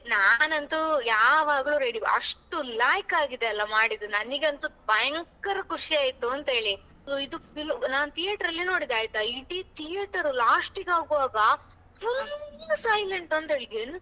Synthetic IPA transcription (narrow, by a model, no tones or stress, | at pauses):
naːnɐnt̪ujaːʋaːɡɐɭuɾeɽiɐ̰ʂʈulaːjkaːɡid̪eɐlːɐmaːɽid̪unɐniɡeɐnt̪ubɐjɐŋkɐɾɐkuʂiaːjt̪uɐnt̪ɐɦe̞ːɭi | uid̪uilːnaːnut̪ʰijeːʈɐɾɐlːino̞ːɽid̪aːjit̪uɐjɖit̪ʰijeʈɐɾulaːsʈiɡaːɡuʋaːɡɐ | fulsɐjleɳʈɐnt̪ɦeːɭiɡen